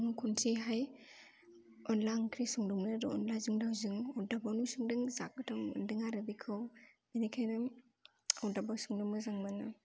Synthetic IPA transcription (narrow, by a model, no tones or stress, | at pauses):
ŋukʰuntʰiɦaj | ɔnlaŋkʰɾisuŋduŋnɯɾɔ̰nlazɯŋdawzɯŋɔdabawnusuŋdɯŋzak̚ɯtʰamɯ̰ndɯŋaɾɯbikʰɯwbinikʰajnɯŋ | awdabawsuŋdɯmɯzaŋmanɯ